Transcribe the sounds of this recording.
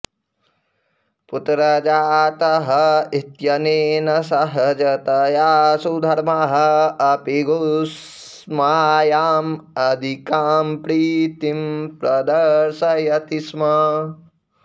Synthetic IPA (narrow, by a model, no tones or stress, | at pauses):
put̪ɾɐd͡ʒaːt̪ɐɦɐit̪jɐneːnɐsɐɦɐd͡ʒɐt̪ɐjaːsud̪ʱɐɾmɐɦɐɐpiɡus | maːjaːmɐd̪ʱikaːmpɾit̪impɾɐd̪ɐɾʃɐjɐt̪ismɐ